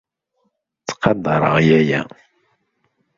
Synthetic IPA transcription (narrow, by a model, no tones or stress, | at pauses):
t͡sːqɑd̪ːɑɾˤə̰ʁjæjæ̰